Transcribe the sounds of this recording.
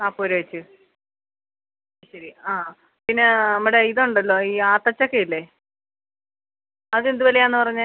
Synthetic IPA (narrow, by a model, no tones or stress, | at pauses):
naːpːoːɾeʋɐt͡ɕːɨ | ɕɐɾiaː | pinːe̞nɐmːɐɽeiðoɳɖɐlːo̞ːiːaːt̪ːɐt͡ɕːokːejilːe | ɐðe̞nd̪uʋoleaːnːɨpɐrɐɲːa